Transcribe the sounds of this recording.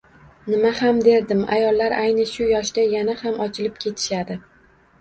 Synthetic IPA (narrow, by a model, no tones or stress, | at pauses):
nɪmahamd̪e̞ɾd̪ɪma̰jɒlˠːaɾʔajnɪʃʊjɒʃd̪ajanahamɒt͡ʃʰɪlɪpkʲʰe̞t̪ʰɪ̥ʃad̪ɪ